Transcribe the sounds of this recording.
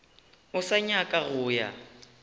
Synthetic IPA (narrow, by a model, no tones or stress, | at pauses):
ʊsaɲakʼaɣʊːja̰